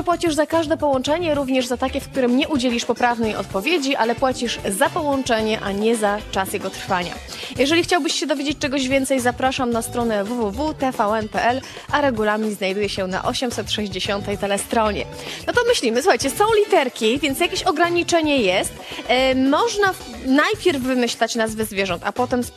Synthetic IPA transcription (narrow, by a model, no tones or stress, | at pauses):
ɔpwat͡ɕiʐzakaʐd̪ɛpɔwɔnt͡ʂɛɲɛɾuvɲɛʐzat̪akʲɛfk̚t̪uɾɘmɲɛʔud͡ʑelʲiʂpɔpɾavnɛjɔ̰t̪̚pɔvʲjed͡ʑiʔalɛpwat͡ɕiʐzapɔwɔnt͡ʂɛɲɛʔaɲɛzat͡ʂasjɛɡɔt̪ɾfaɲa̰ | jɛʐɛlʲixt͡ɕawbɘɕɕɛd̪ɔvʲed͡ʑet͡ɕ̚ʲt͡ʂɛɡɔʑvʲjɛnt̪sɛjzapɾaʂamnast̪ɾɔnɛvuvuvut̪ɛfaɛnpɛɛl | ʔaɾɛɡulaɾmɲiznajd̪ujɛɕɛna̰ʔɔɕɛmsɛt̪ʂɛʑd͡ʑeɕɔnt̪ɛjt̪ɛlɛst̪ɾɔɲɛ̰ | nɔt̪ɔmɘɕlʲimɘsuxajt͡ɕɛsɔ̃w̃lʲit̪ɛɾkʲivʲjɛntsjakʲeɕɔɡɾaɲit͡ʂɛɲɛjɛst̪mɔʐna | najpʲjɛɾvːɘmɘɕlat͡ɕnazvɘzvʲjɛʐɔnt̪apɔt̪ɛms